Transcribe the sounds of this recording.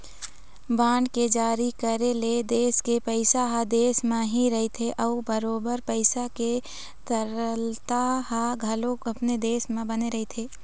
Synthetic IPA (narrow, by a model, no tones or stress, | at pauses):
baːɳɖked͡ʒaːɾikəɾeled̪eːskepəɪsaɦad̪eːsmẽɦiɾɐɦet̪ʰeʔɐubəɾoːbəɾpəɪsake | t̪əɾəlt̪aɦaɡʱɐlõkɐpned̪eːsmẽbəneɾɐɦet̪ʰeː